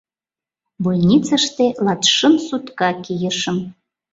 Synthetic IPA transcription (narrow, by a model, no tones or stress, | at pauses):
bujnʲit͡səʃt̪elɑt̪ʃə̆msut̪kɑkijə̆ʃə̆m